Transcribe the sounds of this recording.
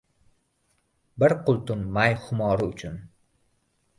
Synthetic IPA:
bɪɾqʰʊlˠt̪ʊnmajχʊmɒːɾɪʊt͡ʃʰʊn

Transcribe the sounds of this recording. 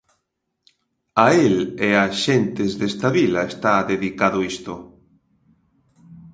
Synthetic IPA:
aeleaʃent̪ezðest̪aβilaest̪aðeðikaðoist̪o

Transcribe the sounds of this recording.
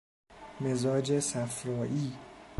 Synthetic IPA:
mezɒːd͡ʒesæfɾɒːʔiː

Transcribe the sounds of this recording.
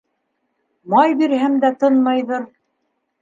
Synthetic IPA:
mɑjbiɾhæmd̪æt̪ɤnmɑjðɤɾ

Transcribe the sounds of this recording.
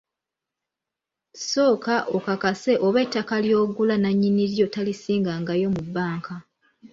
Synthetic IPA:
so̞ːkaʔo̞kakase̞ʔoβe̞ːtːakaljo̞ːɡulanaɲːiniɾjo̞talisiːŋɡaŋɡajo̞mubːaːŋkʰa

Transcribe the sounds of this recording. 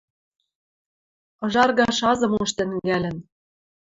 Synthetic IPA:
ɤ̆ʒɑrɣɑʃɑzɤ̆muʃt̪ɘ̆ŋɡælʲɘ̆n

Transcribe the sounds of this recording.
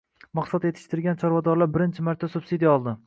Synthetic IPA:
mɑqsat̪je̞t̪ʰɪ̥ʃt̪ɪɾɡʲant͡ʃʰɒɾvɒd̪ɒɾlaɾbɪɾɪnt͡ʃʰɪmaɾt̪ʰasubsid̪ijɒlˠd̪ɪ

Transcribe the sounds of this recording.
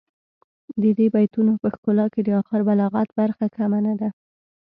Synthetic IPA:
d̪əd̪ebajt̪unopəxkolɑked̪əɑxɪɾbalɑɣat̪baɾxakamanad̪a

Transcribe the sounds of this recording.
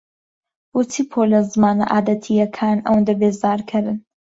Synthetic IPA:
wʊt̪ʰipʰoːlɐzɨmaːnɐ̰ʔaːd̪ɐt̪ʰijɐkʰaːnɐ̰wɐnd̪ɐbeːzaːɾkʰɐɾɨn

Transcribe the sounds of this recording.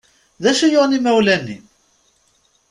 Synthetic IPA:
ðæʃijoʁnimæwlænːḭm

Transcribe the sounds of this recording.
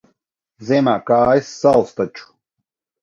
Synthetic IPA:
zɛmakaːjsːalˠst̪at͡ʃʰu̥

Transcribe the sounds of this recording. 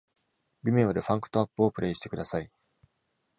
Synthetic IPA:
bʲimʲeɰ̃od̪eɸãŋkɯ̟̥t̪o̞apːɯ̟opɯ̟ɾʔe̞ːɕi̥t̪e̞kɯ̟d̪asai

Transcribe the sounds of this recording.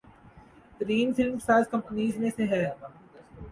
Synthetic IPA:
t̪ɾiːnfɪlmsaːzkɐ̃mpəniːzmẽseɦɛːɐɡaː

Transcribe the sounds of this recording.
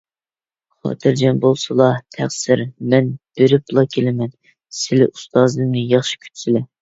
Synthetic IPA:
χɑ̰ːt̪ʰɨɾd͡ʒɛnbolˠsɨlˠɑt̪ʰæχsɪɾmɛnb̥eɾɪpʰlˠɑkʲʰelɪmɛn | sɪlɪʔust̪ɑːzŋɨjɑχʃi̥kʲʰy̥t̪ʰsɪlɛ

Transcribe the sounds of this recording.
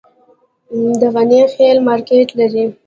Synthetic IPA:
d̪əɣanexelmɑːɾkeʈlaɾi

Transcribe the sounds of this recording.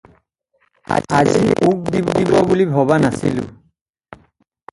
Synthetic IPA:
a̰ziuk̚dibd̪ibɔbulibʱɔβanasḭlʊ̰

